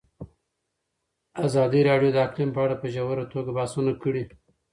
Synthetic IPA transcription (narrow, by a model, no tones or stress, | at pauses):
azɑːd̪iɾɑɖijod̪əaqlimpəaɽapəʒawaɾat̪oɡabaːsunakəɽi